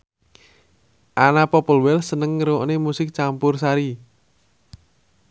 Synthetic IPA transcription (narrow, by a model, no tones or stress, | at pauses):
ʔanapɔpəlwɛlsənəŋːəɾoʔnemusɪk̚t͡ʃampʊrsaɾi